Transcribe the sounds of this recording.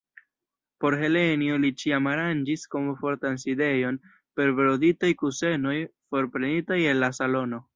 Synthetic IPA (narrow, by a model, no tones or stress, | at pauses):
po̞ɾɦe̞le̞niolit͡ʃiamaɾand͡ʒisko̞mfo̞ɾtanside̞jo̞n | pe̞ɾbɾoditajkuse̞no̞jfo̞ɾpɾe̞nitaje̞nlasalo̞no̞